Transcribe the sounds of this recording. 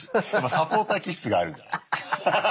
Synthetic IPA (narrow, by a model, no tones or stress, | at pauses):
masapo̞ːt̪akʲissɨɡaːɾɯ̟d͡ʒa̰na̰